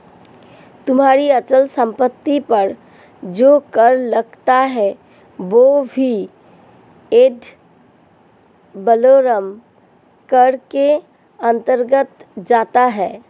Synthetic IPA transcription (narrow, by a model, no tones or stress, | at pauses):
t̪ʊmɦaːɾiət͡ʃəlsə̃mpət̪ːipəɾ | d͡ʒoːkəɾləɡt̪aɦɛ | ʋobʱi | eːɖ | bəloːɾəm | kəɾke | ə̃nt̪əɾɡət̪d͡ʒaːt̪aɦɛː